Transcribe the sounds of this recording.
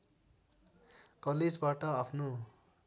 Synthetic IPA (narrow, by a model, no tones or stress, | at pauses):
kʌled͡zbaʈʌapʰno